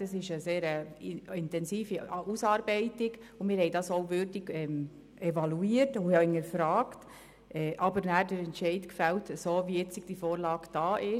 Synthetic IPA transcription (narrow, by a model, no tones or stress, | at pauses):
d̥ɑsɪʃəseːɾəɪntɛnsiːfiusɑːɾbɛɪtɪɡ | ʊmɪːɾhɛɪdɑsoʊvʏːɾdiɡɛːm | ɛvɑluiːəɾtʊɑɪŋəɾfɾɑːkt | ʔɛːʔɑbəɾnæːɾdəɾɛntt͡ʃɛɪdkfɛltəsoːviɪt͡siɡ̚d̥ifoːɾlɑːɡd̥ɑːʔɪ